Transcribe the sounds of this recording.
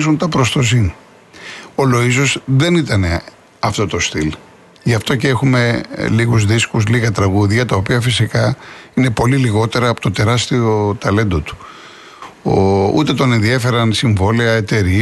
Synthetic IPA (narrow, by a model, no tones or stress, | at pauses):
zunt̪ɐpɾost̪o̞zin | o̞lo̞iso̞zðe̞nit̪ɐne̞ | ɐft̪o̞t̪o̞st̪il | ʝɐft̪o̞ceexume̞liɣuzðiskuzliɣɐt̪ɾɐɣuðʝɐt̪ɐo̞piɐfisikɐine̞po̞liliɣo̞t̪e̞ɾɐːpo̞t̪ot̪e̞ɾɐst̪io̞t̪ɐle̞nd̪ot̪u̥ | oṵt̪e̞t̪o̞nenðiefe̞ɾɐnsiɱvo̞liɐet̪e̞ɾi